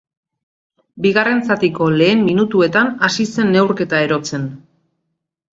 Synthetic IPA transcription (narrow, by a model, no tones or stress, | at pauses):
biɣare̞nt͡sat̪iko̞le̞ːmːinut̪ue̞t̪anasise̞nːe̞wɾke̞t̪ae̞ɾo̞t͡se̞n